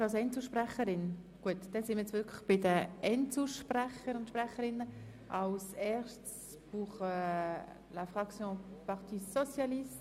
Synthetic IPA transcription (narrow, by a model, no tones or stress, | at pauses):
ɑlsɛnt͡suʃpʁɛχəɾɪnɡ̥uətd̥ɛnsɪnmiɪt͡sʋʏkʰləχb̥ɪdəʔɛntt͡suʃprɛχəɾʊntʃpʁɛχəɾɪnə | ʔɑlsɛːʃts | b̥uːχə | lafʁɑksjõpɑʁt̪isɔt͡sjalis